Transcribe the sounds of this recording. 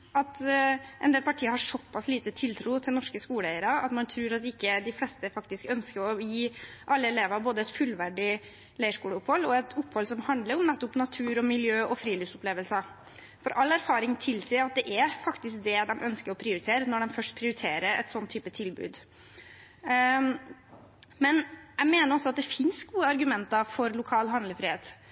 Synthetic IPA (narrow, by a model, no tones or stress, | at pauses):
ɑt̪ʔɛnd̪eːlpʰɑʈʰiːəhɑʂɔpːɑsliːt̪ət̪ʰɪlt̪ʰɾuːt̪ʰɪlnɔʂkəskuːlæɪəɾɑɑ̰t̪mɑnt̪ʰɾʉːɾɑt̪̚ːɪkːəd̪ɪfleːst̪əfɑkt̪ɪskœnskəɾɔjiːʔɑlːəɛleːʋɑɾboːd̪əɛt̪fʉlʋæɖɪ | læɪəʂkuːləʊphɔlːɔɛt̪ʊpːhɔlsɔmhɑnd̪ləɾɔmnɛt̪ːʊpnɑt̪ʰʉːɾɔmɪljøːʔɔfɾiːlɪfsʊpleːʋəlsə | fɔɾʔɑlːæɾfɑːɾɪŋt̪ʰɪlsiːɾɑt̪̚d̪ɛʔæɾfɑkt̪ɪsk̚d̪ɛd̪ɛmʔœnskəɾɔpʰɾɪʊɾɪt̪ʰeːɾənɔɖɛmfœʂʈpʰɾɪʊɾɪt̪ʰeːɾəɾɛ̰t̪sɔnt̪ʰːyːpət̪ʰɪlbʉ̰ːd̪ | mɛnjæɪmeːnəɾɔsɔɑt̪̚d̪ɛfɪnsɡuːəɑɾɡʉmɛnt̪ɑfɔɾlʊkʰɑːlɦɑnd̪ləfɾiːheːt̪